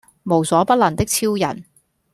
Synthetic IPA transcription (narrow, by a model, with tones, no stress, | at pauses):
mo˨˩wsɔː˨˧˥pɐ˥t̚lɐ˨˩nt̪ɪ˥k̚t͡sʰiː˥wjɐ̰˨˩n